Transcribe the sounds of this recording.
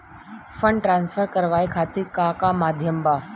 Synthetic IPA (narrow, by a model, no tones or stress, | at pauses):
fəɳɖʈɾãnsfəɾkəɾʋajkʰat̪iːɾkakamad̪ʱjəmba